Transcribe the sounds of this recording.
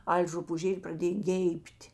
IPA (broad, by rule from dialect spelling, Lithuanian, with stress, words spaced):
ˈɐlʲ rʊpuːˈʒʲeːlʲ prɐˈdʲeːj ˈɡʲɛɪpʲtʲ